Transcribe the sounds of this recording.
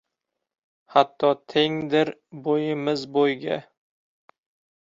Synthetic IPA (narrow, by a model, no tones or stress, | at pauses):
hat̪ʰːɒt̪ʰeŋd̪ɪɾbojɪmɪzbojɡʲa